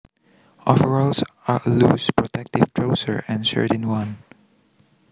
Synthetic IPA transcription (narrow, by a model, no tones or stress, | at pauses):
ʔɔvəɹɔlsaluspɹɔtʰɛk̚tɪv̥tʰɹoʊsə̰ɹɛ̃nsə̰ɹtɨ̃nwʌ̃n